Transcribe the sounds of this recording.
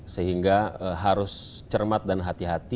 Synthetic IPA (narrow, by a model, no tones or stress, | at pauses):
səɦiŋɡaəɦaɾʊs | t͡ʃərmat̪̚danɦat̪iɦat̪i